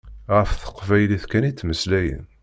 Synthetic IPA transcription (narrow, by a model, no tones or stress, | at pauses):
ʁəfθə̥qːvæjliθkænit͡sːməslæjə̰n